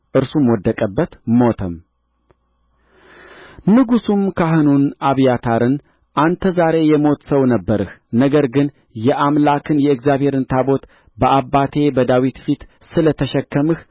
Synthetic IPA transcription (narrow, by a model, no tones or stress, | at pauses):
ʔɨɾsumwɔd̪ːəkʼəbːət̪mo̞t̪ʰəm | nɨɡusumkʰaɦɨnunʔaβjat̪ʰaɾɨn | ʔant̪ʰəzaɾe̞jɛmo̞t̪səwnəbːəɾɨhnəɡəɾɡɨn | jɛʔamlakʰɨnjɛɨkzjaβhe̞ɾɨnt̪ʰabo̞t̪ | bəʔabːat̪ʰe̞bəd̪awit̪fit̪ | sɨlət̪ʰəʃɛkːəmɨh